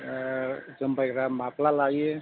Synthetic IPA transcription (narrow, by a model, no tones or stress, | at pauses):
d͡ʒəmbajkɾamaplalae